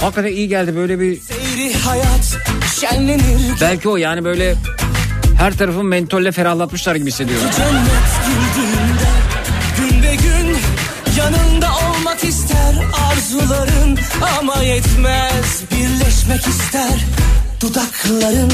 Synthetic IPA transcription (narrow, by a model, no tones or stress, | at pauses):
hakːat̪aijiɟælʲd̪ibø̞jlʲɛbisejɾihajat̪ʃænlʲeniɾbælʲcʰio̞jaːnibø̞jlʲɛ | hæɾt̪ʰaɾafɯnmɛnt̪ʰølːʲɛfeɾahlˠat̪mɯʃlˠaɾɟibisːed̪ijod͡ʒanːɛt̪ɟind̪ind̪ɛɟynbɛɟyn | janɯnd̪ao̞lˠmakist̪ʰæɾaɾzulˠaɾɯnamajɛt̪mɛzbiɾlʲɛʃmɛcist̪ʰæɾd̪̥ud̪akʰlˠaɾɯn